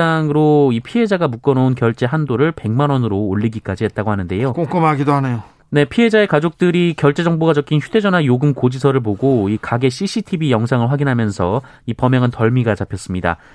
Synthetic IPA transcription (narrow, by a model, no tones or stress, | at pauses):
aŋɯɾoipʰiɦe̞d͡ʑaɡamuk͈ʌnʌunkjʌɭt͡ɕ͈e̞ɦandoɾɯɭpe̞ŋmanʌnɯɾoːɭːiɡik͈ad͡ʑiɦe̞t̚t͈aɡohanɯnde̞jokoŋk͈ɯmaɡidohanejo | ne̞pʰiɦe̞d͡ʑae̞kad͡ʑok̚t͈ɯɾikjʌɭt͡ɕ͈e̞d͡ʑʌŋboɡad͡ʑʌkʰinçjude̞d͡ʑʌnajoɡɯmkod͡ʑisʰʌɾɯɭp̬oɡoikaɡe̞ɕ͈ʰiɕʰitʰibijʌŋsʰaŋɯɭɸwaɡinɦamjʌnsʰʌ | ipʌmjʌŋɯntʌɭmiɡat͡ɕapʰjʌs͈ɯmɲida̰